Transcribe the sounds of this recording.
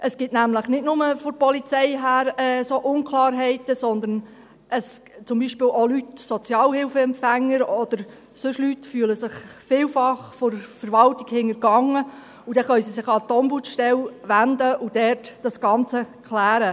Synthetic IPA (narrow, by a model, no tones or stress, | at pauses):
ʔəsɡ̥ɪtnæmləχnɪtnʊməfoɾpɔlit͡sɛjɦæːɾɛsoʔʊnkχlɑːɾɦɛɪtəsɔnd̪ən | əst͡sʊmbiʃpɪːwʔolytsɔt͡sjɑːlhɪlfəɛmfæŋːəɾɔd̥̪əɾ | sɵʃlytfyːələsɪχfɪːlfɑχfɔɾfəɾʋɑltiɡhɪŋəɾɡɑŋə | ud̪ɛχœʏsisɪχɑt̪ɔmbutʃtɛlʋændəʔud̥̪ɛrtd̥ɑsɡ̥ɑnt͡səkχlæːɾə